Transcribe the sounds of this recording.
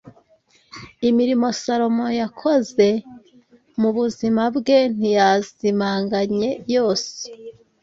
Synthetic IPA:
imiɾimo̞saɾo̞mo̞jakʰo̞ze̞ | muβuzimabɡe̞n̥ijazimaːŋɡaɲe̞jo̞ːse̥

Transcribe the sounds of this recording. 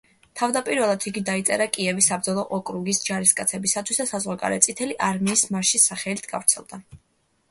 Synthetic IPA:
t̪ʰavd̪apʼiɾvɛlˠad̪ʰiɡid̪ait̪sʼɛ̰ɾakʼiɛvisab̚d̪zɔlˠɔʔɔkʼɾuɡisd͡ʒaɾiskʼat̪sʰɛbisat̪ʰwisd̪asazʁwaɡʼa̰lɛ̰t̪sʼit̪ʰɛliʔaɾmiːsmaʃisaχɛlit̪ʰɡa̰vɾt̪sʰɛ̰lˠd̪a

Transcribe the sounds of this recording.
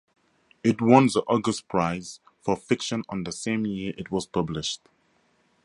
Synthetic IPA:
ɪtwɔ̃nzəʔɔɡəspʰɹ̥aɪz̥ | fɔfɪkʃə̃nə̃nðəsẽmjiəʔɪt̚wɔz̥pʰʌblɪʃt

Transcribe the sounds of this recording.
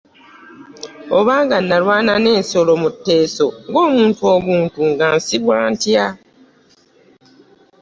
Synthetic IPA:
oβaːŋɡanːalwaːnane̞ːnso̞lomutːe̞ːsoŋɡo̞ːmuːntuo̞βuːntuŋɡansiβwaːntja

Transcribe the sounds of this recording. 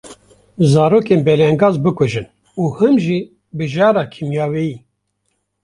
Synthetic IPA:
zɑːɾoːkeːnbɛlɛŋɡɑːzbɨkɔʒɨn | uːhɨmʒi | bɨʒɑːɾɑːkʰimjaːwɛjiː

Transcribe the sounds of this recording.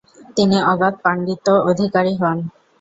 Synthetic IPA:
t̪iniɔɡat̪̚paɳɖit̪ood̪ʱikaɾiɦɔn

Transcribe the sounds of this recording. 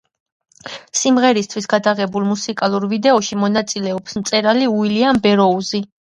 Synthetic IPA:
simʁɛɾist̪ʰwisɡad̪aʁɛbulˠmusikʼalˠuɾvid̪ɛɔʃimɔnat̪sʼilɛɔpsmt̪sʼɛɾaliuiliambɛɾɔuzi

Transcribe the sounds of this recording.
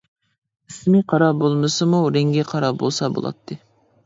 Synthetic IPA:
ɪsmiqʰɑɾɑbolˠmɨsɨmuɾeŋɡʲɛqʰɑɾɑbo̰lˠsɑbo̰lˠɑ̰t̪ʰːɨ

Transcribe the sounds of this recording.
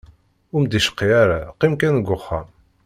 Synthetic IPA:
ʊɾmd̪iʃə̥qːiaɾaqimkænɡʷːʊχːam

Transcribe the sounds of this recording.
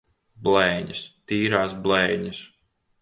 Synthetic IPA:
blɛjɲɐst̪iːɾaːsblɛjɲɐs

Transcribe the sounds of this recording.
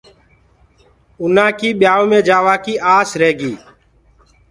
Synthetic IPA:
ʊn̤ãːkiːɓjaːoːmẽːd͡ʒaːʋaːkiːʔaːsɾeːɡiː

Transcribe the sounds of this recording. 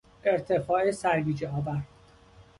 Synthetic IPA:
e̞ɾt̪ʰefɒːesæɾɡiːd͡ʒeɒːbæɾ

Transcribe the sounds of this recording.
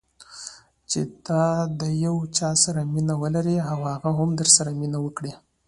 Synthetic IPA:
t͡ʃed̪̥ɑd̪əjawt͡ʃɑsaɾaminawəlaɾiawhaɣaɦamd̪əɾsaɾaminawəkɽi

